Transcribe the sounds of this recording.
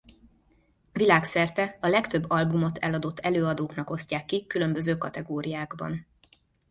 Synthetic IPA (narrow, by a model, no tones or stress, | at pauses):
vilaːksɛrt̪ɛɒlɛkt̪øbːɒlbumo̞t̪ʰɛ̰lɒd̪o̞t̪ːɛløːɒd̪oːknɒko̞scaːkːikylø̞mbøzøːkɒt̪ɛɡoːɾijaːɡbɒ̰n